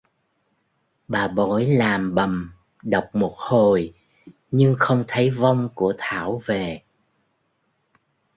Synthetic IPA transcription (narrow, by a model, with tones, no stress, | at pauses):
ɓaː˨˩ɓo̰˧˩˦jlaː˨˩mɓə˨˩m | ɗə˨˩wk͡p̚mo˨˩t̚ho˨˩j | ɲɨ˧ŋxə˧wŋ͡mt̪ʰə˨˦jva˧wŋ͡mku˧˩ət̪ʰa̰ː˧˩wve˨˩